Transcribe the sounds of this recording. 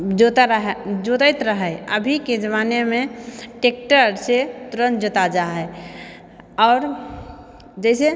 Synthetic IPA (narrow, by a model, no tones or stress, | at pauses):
d͡ʒot̪ɾɦd͡ʒot̪ət̪ɾəɦɛəbʱiked͡ʒəmaːnemẽʈeːk̚ʈəɾset̪ɾənd͡ʒot̪ad͡ʒaɦɛ | ɔːɾ | d͡ʒɛːse